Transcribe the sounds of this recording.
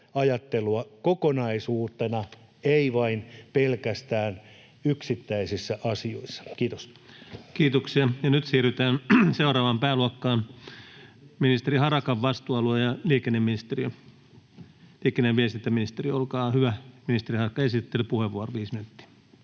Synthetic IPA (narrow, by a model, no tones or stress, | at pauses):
ɑjɑt̪ːeluɑkokonɑisuːt̪ˑenɑ | eiʋɑinpelkæst̪æːn | yksit̪ːæisisːæʔɑsioisːɑ̥kiːt̪os | kiːt̪oksiɑjɑnyt̪siːryt̪æːnseuɾɑːʋɑmpæːluɑkːɑːn | minist̪eɾihɑrɑkɑʋʋɑst̪uːɑluejɑliːkenːemːinist̪eriø | liːkenːeʋʋieset̪ːæminist̪eriolkɑːhyʋæminist̪erihɑrɑkːɑesit̪ːelypuheʋʋuoroʋiːsmyt̪ːi̥ː